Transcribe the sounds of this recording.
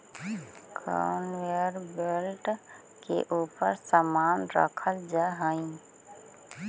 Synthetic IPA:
kɾa̰ʊnʋeɾbelʈ | kḛʔuːpəɾsamaːnɾə̰kʰəld͡ʒaɦəĩ

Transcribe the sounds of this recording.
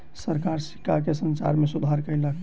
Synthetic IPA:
səɾkaɾsi̥kak̬esənsa̰ɾmesud̪ʱaɾkəjlək

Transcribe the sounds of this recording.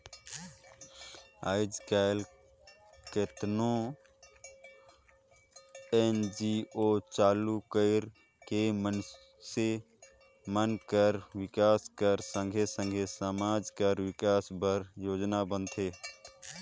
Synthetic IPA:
aːɪd͡ʒkaɪl | ket̪nõ | end͡ʒiot͡ʃaːlukəɪɾ | kemən | se | mənkəɾwɪkaːskəɾsə̃ŋɡʱesə̃ŋɡʱesəmaːd͡ʒkəɾwɪkaːsbəɾjoːd͡ʒnabə̃nt̪ʰe

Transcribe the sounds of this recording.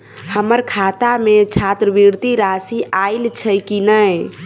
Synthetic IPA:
həməɾkʰat̪amet͡ʃʰat̪ɾəbiɾt̪iɾasiailt͡ʃʰəkinəj

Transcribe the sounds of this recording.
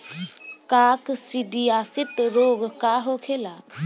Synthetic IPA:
kaːksiɖiaːsɪt̪ɾoːɡkaɦoːkʰelaː

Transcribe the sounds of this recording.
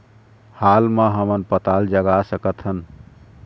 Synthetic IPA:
halməɦəmənpət̪ald͡ʒəɡasəkət̪ɦən

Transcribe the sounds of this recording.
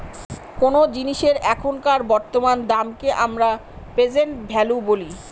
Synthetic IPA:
konod͡ʑiniʃeɾɛkʰonkaɾbɔɾt̪omand̪amkeʔamɾa | pɾed͡ʑenʈbʱɛluboli

